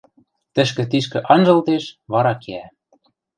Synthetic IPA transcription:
t̪ɘ̆ʃkɘ̆t̪iʃkɘ̆ʔɑnʒɤ̆lt̪eʃβɑɾɑkeæ

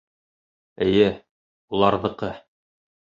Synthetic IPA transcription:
ɘ̆jɘ | ulˠɑɾðɤ̆qɤ

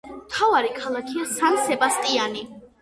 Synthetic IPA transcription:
mt̪ʰavaɾikʰalˠakʰiasansɛbast̪ʼiani

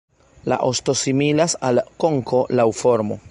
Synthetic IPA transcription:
la̰ʔosto̞similasalko̞ŋkʰo̞lawfo̞ɾmo̞̰

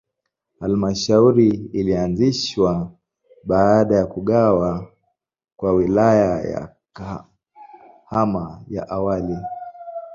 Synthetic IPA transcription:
halmaʃauɾiilianziʃwa | ɓaːɗajakuɠawa | kwawilajaja̰ | ka | hamaja̰ʔawali

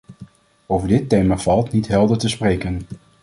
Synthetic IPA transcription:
owvəɹdɪtejmaːv̥ɑlˠtnitɦɛlˠdəɹtəsprejkən

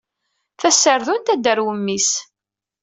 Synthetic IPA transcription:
θæsːəɾðunt̪æd̪əɾwəmːis

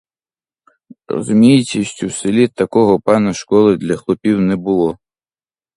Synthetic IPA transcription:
rɔ̰zumʲijt͡sʲisʲtʲuwsɪlʲit̪ɐkɔɦɔpɑnɐʃkɔlˠɪd̪lʲɐxlˠɔpʲiwnɛbʊlˠɔ

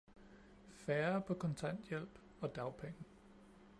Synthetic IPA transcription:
fæːɐpʰɒ̽kʰɒ̽nt͡sʰæn̰d̥jel̰b̥ | ɒ̽d̥ɑ̈ʊpʰeŋə

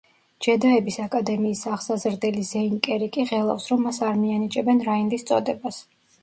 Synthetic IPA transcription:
d͡ʒ̥ɛd̪aɛbisakʼad̪ɛmiːsaʁsazɾd̪ɛlizɛiŋkʼɛɾikʼiʁɛlˠa̰fsɾɔmːasaɾmianit͡ʃʼɛbɛnɾaind̪ist̪sʼɔ̰d̪ɛbas

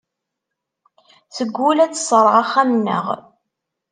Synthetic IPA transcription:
θəɡʷːʊlæt͡sːsˤɾˤʁaχːæmnːə̰ʁ

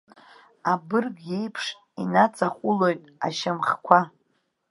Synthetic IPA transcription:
abɨrɡejpʰʂ | inat͡sʼaχʷʼʊlo̞jtʼa̰ʃamχkʷʰa

